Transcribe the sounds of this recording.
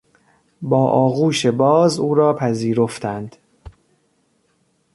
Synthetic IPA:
bɒːʔɒːɣuːʃe̞bɒːzuːɾɒːpʰæziːɾo̞ft̪ʰænd̪̥

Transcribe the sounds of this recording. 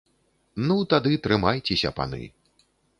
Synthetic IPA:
nut̪ad̪ɨt̪ɾɨmajt͡sʲesʲɐ̰pa̰nɨ̰

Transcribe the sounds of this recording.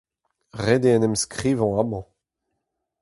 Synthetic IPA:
ʁed̪eɛ̃nɛmskʁiːvɑ̃amɑ̃

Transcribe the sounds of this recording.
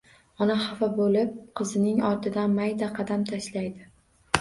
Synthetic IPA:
ɒnaχɑfabolɪp̚qʰɨzɪnɪŋɒɾt̪ʰɪd̪anmajd̪aqʰɑd̪amt̪ʰaʃlajd̪ɪ

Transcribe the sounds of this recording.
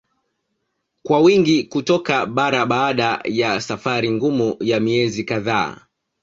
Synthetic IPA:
kwawiŋɡikutɔkaɓaɾaɓaːɗajasafaɾiŋɡumujamiɛzikaðaː

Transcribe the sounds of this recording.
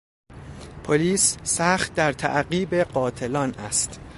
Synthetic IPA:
pʰoliːsːæxt̪̚d̪æɾt̪ʰæ̰ʔɢiːbe̞ɢɒːt̪ʰe̞lɒːnæst̪

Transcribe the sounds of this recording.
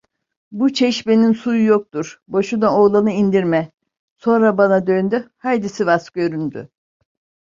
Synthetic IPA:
but͡ʃʰɛʃbe̞ninsujujok̚t̪uɾboʃud̪aolˠanɯind̪iɾmɛ | so̞nɾabanad̪ø̞nd̪yhajd̪isivasɡø̞ɾynd̪y̰

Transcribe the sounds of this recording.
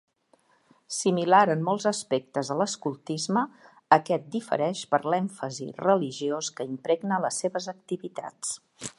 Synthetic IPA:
similaɾənːɔlˠzəspek̚t̪əzðələskulˠt̪izməː | kɛt̪̚d̪ifə̰ɾɛʃpəɾlɛɱfəzḭrəliʒioskəimpɾɛɡnələsːeβəzək̚t̪iβit̪a̰t͡s

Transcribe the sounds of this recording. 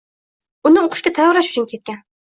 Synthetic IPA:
ʊnɪoqʰʊ̥ʃkʲat̪ʰajɒɾaʃʊ̥t͡ʃʰʊnkʲʰe̞t̪̚kʲan

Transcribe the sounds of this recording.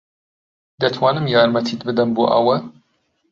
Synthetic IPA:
d̪ɐt̪ʰwɑːnɨmjɑːɾmɐt̪ʰiːt̪̚bɨd̪ɐmboːʔɐ̰wɐ

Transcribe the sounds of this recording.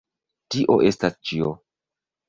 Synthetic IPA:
tiʔo̞ʔe̞stast͡ʃio

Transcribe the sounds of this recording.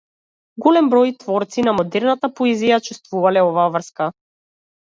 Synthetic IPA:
ɡɔlɛmbɾɔjt̪vɔɾt̪sinamɔd̪ɛɾnat̪apɔɛzijat͡ʃust̪vuvalɛɔvaːvr̩ska

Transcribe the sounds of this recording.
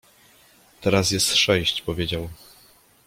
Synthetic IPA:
t̪ɛɾasjɛst̪ʂɛɕt͡ɕpɔvʲjed͡ʑaw

